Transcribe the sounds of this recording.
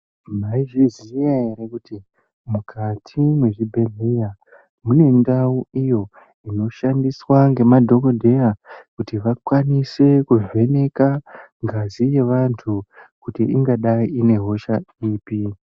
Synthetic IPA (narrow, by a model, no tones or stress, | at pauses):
maiʐizijaɦe̞ɾekuti | mukʰatʰimwe̞ʐibʱe̞ɮe̞ja | mune̞ndauijo̞ | ino̞ʃandiswaŋɡe̞madʱo̞kodʱe̞jakutiʋakwanise̞kuve̞ne̞kaŋɡazije̞ʋantʰukutiiŋɡaɗaiːne̞ɦo̞ʃaiːpi